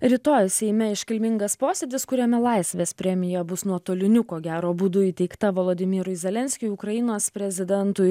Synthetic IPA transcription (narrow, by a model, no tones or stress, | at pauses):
ɾʲiːt̪oːjsʲɛɪmʲɛɪʃʲkʲɪlʲmʲɪŋɡɐspoːsʲeːd̪ʲɪskʊɾʲɛmʲɛlˠɐɪsʲʋʲeːspʲɾʲɛmʲɪjɛbʊsnuɔt̪oːlʲɪnʲʊkoːɡʲæːɾoːbuːd̪ʊiːt̪ʲɛɪkt̪ɐʋoːlˠoːd̪ʲɪmʲiːɾʊɪzʲɛlʲɛnʲsʲkʲʊjʊkɾɐjɪnoːspʲɾʲɛzʲɪd̪ʲɛnt̪ʊɪ